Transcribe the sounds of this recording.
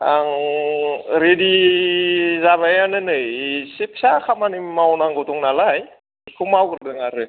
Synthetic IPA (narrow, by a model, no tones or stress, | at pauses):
aŋ | ɾedi | zaβajanənəsip̚sakamanimawnaŋɡot̪uŋnalaj | kʰumawərdəŋaɾə